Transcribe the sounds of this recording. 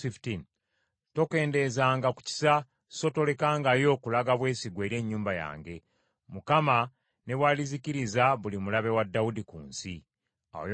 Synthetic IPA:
iftin | to̞ke̞ːnde̞zaːŋɡaku̥ci̥sa | so̞to̞le̞kaːŋɡajo̞kulaɡaβwe̞ːsiɡwe̞ɾe̞ːɲːuːmbaja̰ːŋɡe̞ | mukama | ne̞βwaliziciɾizaβulimulaβe̞wadːaudikuːnsi | a̰j

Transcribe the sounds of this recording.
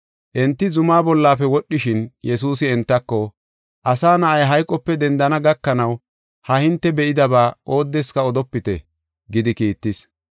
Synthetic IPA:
ʔɛnt̪ːɪzʊmaːbɔlːaːfɛwɔɗːɪʃɪnjɛsuːs̬ɪɛnt̪ːɐkːɔ | ʔɐsaːnɐʔɐjɦɐjkʼːɔpːɛd̪ɛnd̪ɐnɐɡɐkːɐnɐw | hɐhɪnt̪ːɛbɛʔɪd̪ɐbaːʔo̞ːd̪ːɛskɐɔd̪ɔpːɪt̪ɛ̰ | ɡɪd̪ɪkiːt̪ːɪs

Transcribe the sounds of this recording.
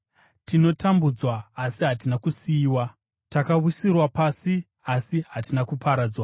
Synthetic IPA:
tino̞tambud͡zwaːsiɦatinakusiːwa | takaʋusirwapasi | asiɦatinakupʰaɾaːd͡zwa

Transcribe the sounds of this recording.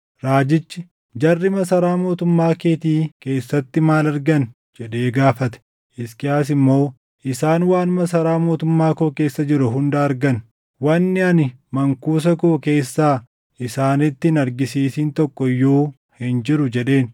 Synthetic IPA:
ɾaːd͡ʒɪt͡ʃːɪ | d͡ʒɐrːɪmɐsɐɾaːmo̞ːt̪ʊmːaːkeːt̪iːke̞ːsːɐt̪ːɪmaːlɐɾɡɐn | d͡ʒɛᶑe̞ːɡaːfɐt̪ɛ̥ | ʔɪskɪaːs̬ɪmːo̞ː | ʔɪsaːnwaːnmɐs̬ɐɾaːmo̞ːt̪ʊmːaːkoːke̞ːsːɐd͡ʒɪɾʊɦʊnd̪aːɾɡɐn | wɐnːɪɐnɪmɐŋkuːs̬ɐkoːke̞ːsːaː | ʔɪsaːnɪt̪ːɪnɐɾɡɪsiːsiːnt̪ɔkːɔjːoː | hɪnd͡ʒɪɾʊd͡ʒɛᶑe̞ːn

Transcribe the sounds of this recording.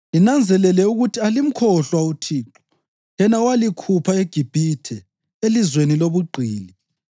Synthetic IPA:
inand͡zʱɛlɛlɛuɣutʰialim̩kʰɔɬwautʰiːǁɔ̥ | jɛnawalikʰupʰaeɡ̥ʱib̥ʱitʰɛ | elizweniloβuɡ͡ǃʱiːni

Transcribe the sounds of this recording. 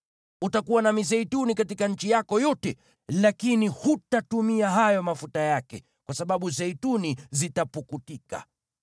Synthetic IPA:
utakuwanamizɛitunikatikanɲ̩t͡ʃijakɔjɔtɛ | lakinihutatumiaɦajɔmafutajakɛ̰ | kwasaɓaɓuzɛitunizitapukutika̰

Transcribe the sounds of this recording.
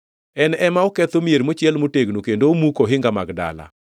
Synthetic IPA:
ɛnɛmaokɛt̪omieɾmot͡ʃjɛlmoteɡnokendomukoɦɪŋɡamaɡda̰la̰

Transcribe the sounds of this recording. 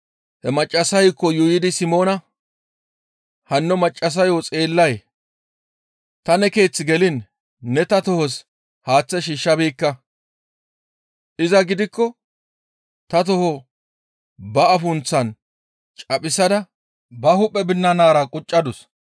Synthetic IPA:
hɛmɐt͡ʃʼːɐsɐjkːɔjʊjɪd̪ɪsɪmo̞ːnɐ | hɐnːɔmɐt͡ʃʼːɐs̬ɐjot͡sʼe̞ːlːɐj | t̪ɐnɛke̞ːt͡sːɪɡɛlɪnː | ɛt̪ɐt̪ɔhɔs | haːt͡sːɛʃiːʃːɐbiːkːɐ | ʔɪzɐɡɪd̪ɪkːɔ | t̪ɐt̪ɔhɔ | bɐɐfʊnt͡sːɐn | t͡ʃʼɐpʼɪsɐd̪ɐ | bɐhʊpʼːɛbɪnːɐnaːɾɐkʼʊt͡ʃʼːɐd̪ʊs

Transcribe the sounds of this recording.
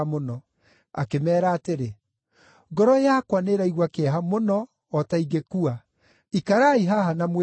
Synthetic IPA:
monɔ | a̰kemɛːɾaːteɾe | ɡɔɾɔjakwaneɾaiɣwakeaɦamonɔː | taiɡekua | ikaɾaiɦaɦanamwe

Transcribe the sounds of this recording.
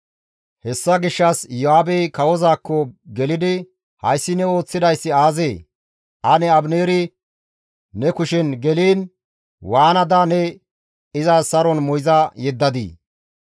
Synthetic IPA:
hɛsːɐɡɪʃːɐsjɔhaːbejkɐwɔzaːkːɔɡɛlɪd̪ɪ | hɐjsːɪnɛo̞ːt͡sːɪd̪ɐjsːɪaːzeː | ʔɐnɛɐbneːɾɪ | nɛkʊʃɛnɡɛliːn | waːnɐd̪anɛ | ɪzaːsɐɾɔnmɔjzɐjɛd̪ːɐd̪ḭː

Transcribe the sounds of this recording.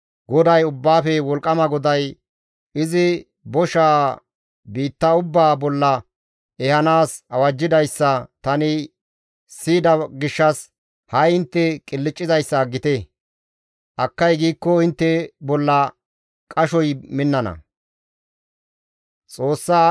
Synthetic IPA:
ɡɔd̪ɐjʊbːaːfɛwɔlkʼɐmɐɡɔd̪ɐj | ɪzɪ | bɔʃaː | biːt̪ːɐʊbːaːbɔlːɐ | ɛhɐnaːsɐwɐd͡ʒːɪd̪ɐjsːɐt̪ɐnɪ | siːd̪ɐɡɪʃːɐs | hɐjɪnt̪ːɛkʼɪlːɪt͡ʃʼːɪzɐjsːɐɡɪt̪ɛ | ʔɐkːɐjɡiːkːɔɪnt̪ːɛbɔlːɐ | kʼɐʃɔjmɪnːɐnɐ̰ | t͡sʼo̞ːsːaː

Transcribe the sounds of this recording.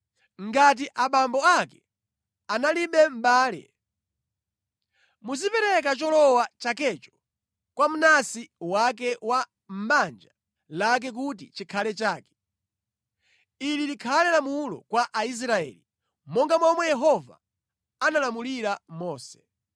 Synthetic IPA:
ŋɡat̬iʔaɓambɔakɛ | analiɓɛm̩ɓaːlɛ̰ | muzipɛɾɛk̬at͡ʃɔlɔwat͡ʃakɛt͡ʃɔ̥ | kwam̩nasiwak̬ɛwa | m̩ɓand͡ʒa | lak̬ɛk̬ut̬it͡ʃikʰalɛt͡ʃaːkɛ̥ | ililikʰalɛlamulɔ̰kwaʔais̬ɾaɛ̰ːli | mɔŋɡamwɔmwɛjɛɦɔva̰ | analamuliɾamɔːsɛ̥

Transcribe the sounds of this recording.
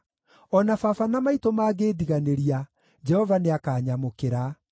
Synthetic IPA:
ɔnafafanamaitomaːɣeːdiɣaneɾia | d͡ʒɛhɔvaneakaːɲamokeɾa

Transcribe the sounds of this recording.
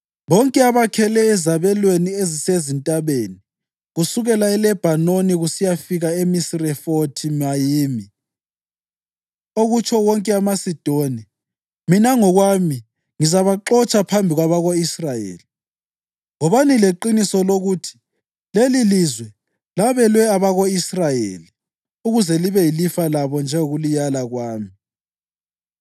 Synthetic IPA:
βɔŋkʼɛaβakʰɛlɛːzaβɛlweniezisezintʼaβeni | ɣusuɣɛlaɛlɛb̥ʱanoniɣusijafiɣaemisirɛfotʰimajiːmi | oɣut͡ʃʰʼɔwɔŋkʼɛamasid̥ʱoni | minaŋɔɣwami | ŋizaβaǃɔt͡ʃʼapʰambʱiɣwaβaɣoisrajḛːli | ŋɔβanileǃinisɔloɣutʰi̥ | lelilizwɛ | laβɛlwɛaβaɣoisrajḛli | uɣuzɛliβɛjilifalaβɔnd͡ʒʱɛŋoɣulijalaɣwaːmi

